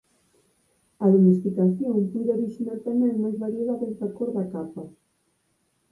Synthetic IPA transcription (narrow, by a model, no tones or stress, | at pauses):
ɐðomest̪ikaθjoŋpɔðoɾiʃinalt̪amɛ̃ŋmajzβaɾjeðaβenfakoɾðakapa